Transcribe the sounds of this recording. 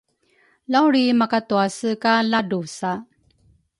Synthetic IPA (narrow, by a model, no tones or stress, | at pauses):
lawɾimakatuasəkaladusa